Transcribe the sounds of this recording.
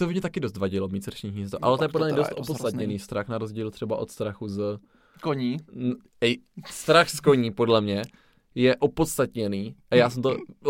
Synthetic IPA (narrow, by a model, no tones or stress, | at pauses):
t̪ovɪmɲɛt̪akɪdo̞st̪vaɟɪlomɲiːsɾʃiɲis̬ɛt̪oʔa̰lɛt̪ojɛpodlɛmɲɛdost̪ʔopotst̪at̪ɲɛniːst̪ɾaxnaɾozɟiːlt̪r̥ɛbaʔot̪st̪ɾaxuz | koɲiː | ɛjst̪ɾaxskoɲiːpodlɛmɲɛ | jɛʔopot̪st̪at̪ɲɛniːʔajaːsɛmt̪o